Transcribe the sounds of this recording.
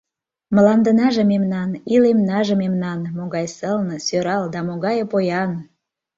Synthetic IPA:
mə̆lɑnd̪ənɑʒĕmemnɑnilemnɑʒĕmemnɑnmoɣɑjsəlnə̆søɾɑld̪ɑmoɣɑjpojɑn

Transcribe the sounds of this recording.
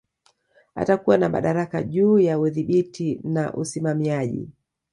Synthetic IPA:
a̰takuwanama̰ɗaɾaka̰ʄuːjauðiɓitinaʔṵsimamiaʄḭ

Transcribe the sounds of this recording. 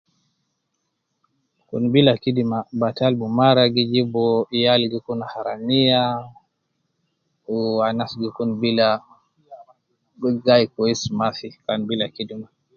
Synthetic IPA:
kṵnbilakidimabatalbumaɾaɡid͡ʒibɔjalɡikunahaɾanija | anasɡikunbila | ɡajkɔismafikanbilakidima

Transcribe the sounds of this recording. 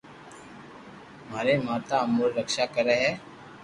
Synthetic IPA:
maːɾemaːt̪aəmuːɾɾəkʃakəɾəɦɛː

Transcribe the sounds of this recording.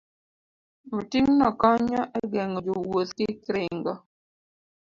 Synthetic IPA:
motiŋnɔkɔɲɔʔɛɡɛŋod͡ʒowot̪kɪkɾɪŋɡɔ

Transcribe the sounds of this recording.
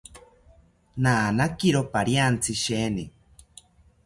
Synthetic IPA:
naːnakiɾopaɾjant͡sʰɨʃeːni

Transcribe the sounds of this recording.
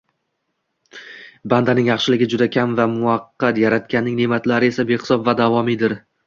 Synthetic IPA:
band̪anɪŋjɑχʃɪlɪɡʲɪd͡ʒʊd̪akʲʰamvamʊɑqːɑt̪jaɾat̪̚kʲanːɪŋnemat̪laɾɪe̞sabe̞χɪ̥sɒbvad̪avɒmid̪ɪɾ

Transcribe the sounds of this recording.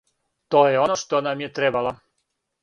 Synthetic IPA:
t̪oːjeonoʃt̪onamjet̪ɾebala

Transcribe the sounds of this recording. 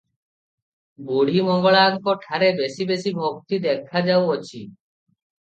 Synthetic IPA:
boɽ̤imɔŋɡɔɭaŋkɔʈʰaɾebesibesibʱok̚t̪id̪ɛkʰad͡ʒawɔt͡ɕʰi

